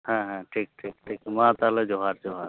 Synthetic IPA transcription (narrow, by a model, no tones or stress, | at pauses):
ɦãɦãʈʰiːk̚ʈʰiːkʈʰiːkmãːt̪aləd͡ʒoɦaɾd͡ʒoɦaːɾ